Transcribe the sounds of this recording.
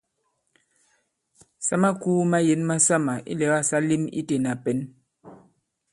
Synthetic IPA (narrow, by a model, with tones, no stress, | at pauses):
sa˦ma˦kuː˦ma˦je˨˦nma˦sa˦ma˨ʔḭ˦lɛ˨˦ɣa˦˨sa˦li˦mḭ˦te˨na˨pɛ˨˦n